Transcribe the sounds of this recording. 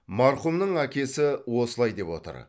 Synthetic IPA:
mɑɾχumnəɴækʲe̞sɪwo̞səlˠɑjd̪e̞pwo̞̰t̪ə̰ɾ

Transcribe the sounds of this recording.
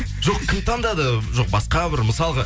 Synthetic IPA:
ʒo̞qkʲʰɪmt̪ʰɑnd̪ɑd̪əʒoq̚bɑsqɑbɪɾməsɑlˠəʁə

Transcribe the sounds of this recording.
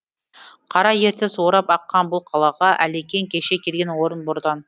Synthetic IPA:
qʰɑɾɑje̞ɾt̪ɪsoɾɑpɑqːɑnbʊlˠqʰɑlˠɑʁɑʔælekʲe̞ŋkʲʰe̞ʃe̞kʲʰelɡʲe̞nwo̞ɾənbʊɾd̪ɑn

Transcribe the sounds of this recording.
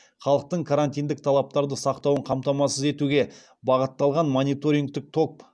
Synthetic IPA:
χɑlˠəq̚t̪əɴkʰaɾanʲt̪ijnd̪ɪk̚t̪ʰɑlˠɑp̚t̪ɑɾd̪əsɑqt̪ɑwəɴqʰɑmt̪ɑmɑsəze̞t̪uɡʲe̞ | bɑʁət̪ːɑlˠʁɑnmonijt̪o̞ɾiŋɡ̚t̪ɪk̚t̪ʰo̞k̚

